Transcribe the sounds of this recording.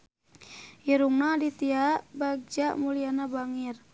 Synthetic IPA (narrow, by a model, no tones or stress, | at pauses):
jiɾuŋnadit̪iaʔbaɡ̚d͡ʒaʔmulianabaŋir